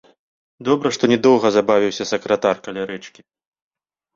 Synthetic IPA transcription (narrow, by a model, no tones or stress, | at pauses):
d̪ɔbɾɐʂt̪ɔnʲɛd̪ɔwɣɐzabavʲiwsʲɐsɐkɾɐt̪arkɐlʲaɾɛt͡ʂkʲi